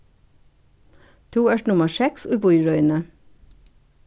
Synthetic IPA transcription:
t̪ʰuːæʃnʊməʃɛksʉːbʊʏɹœʏnə

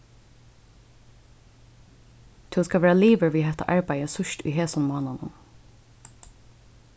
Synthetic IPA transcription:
t̪ʰʉːskɑʋæːɹɑliːʋəɹʋiːɦɛt̪ɑ̰ʔɑɹbæɪəsʉʃt̪ḭːɦeːsʊnmɑːnɑnʊ̰n

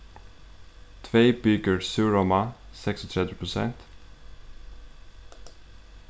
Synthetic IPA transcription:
t̪ʰʋeːbʏɡəɹsʉːɹɔmɑsɛksɔt̪ʰɾɛd̪əpʰɹʊsɛnt̪

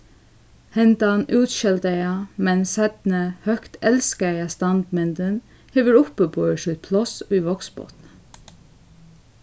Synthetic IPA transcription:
hɛnd̪ɑnʉːt̪ʃɛld̪əjɑmɛnsɛd̪nəhœkt̪ɛlskəjɑst̪ɑnd̪mɛnd̪ən | heːʋəɹʊpəpʰoːəʃʉt̪̚pʰlɑsʋiːʋɔɡsbo̰ːt̪n̩

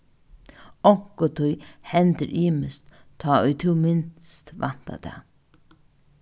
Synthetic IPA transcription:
ɔŋ̥kɔt̪ʰʊjhɛnt̪əɾʔiːməst̪ | t̪ʰːɔːʊjt̪ʰuwmɪnst̪ʋan̥t̪a̰t̪ʰɛ̰ː

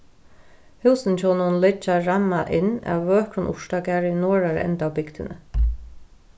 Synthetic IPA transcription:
hɪwsɪnt͡ʃʰɔwnʊnlɪt͡ʃːaɹamːaʔɪna̰wːœːkɾʊnʔʊ̰ʂt̪akaɾɪnɔːɹaɹ̰ɛ̰nt̪awbɪkt̪ɪnə̰

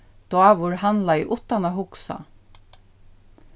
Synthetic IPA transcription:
d̪̥waʋʊɹhanlaɪʔʊt̪anaɦʊksa̰

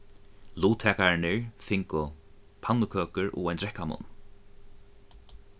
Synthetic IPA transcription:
luːt̪ʰɛːkaɹɪnɪɹfɪŋkʊ | pʰanːʊkʰœːkʏɹɔ̰ːajnt̪ɾɛhkamʊ̰n

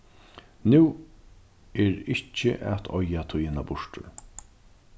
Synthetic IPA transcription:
nuː | ɛːɾɪht͡ʃːə̰ʔɛ̰t̪ʰɔjat̪ʰʊjɪnabʊʂʈʊ̰ɾ

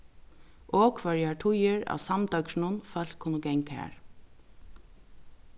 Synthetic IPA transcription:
ʔoːkʰʋœɹjaʈʰʊjɪɹa̰ːwsamd̪œkʃnʊnfœl̥kʰːʊnəɡɛŋkhæ̰ːɹ

